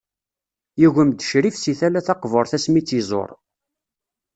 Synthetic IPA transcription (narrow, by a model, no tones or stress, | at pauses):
jiʝəmd̪əʃɾifsiθælæθɑqvoɾˤθæsmit͡sːizˤo̰ɾˤ